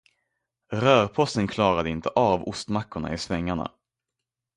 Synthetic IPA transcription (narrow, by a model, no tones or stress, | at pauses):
ɾœːɾpʰɔst̪ənkʰlɑːɾad̪əɪnt̪ʰəʔavʊst̪makːʊɳa̰ɪsvɛŋːaɳa̰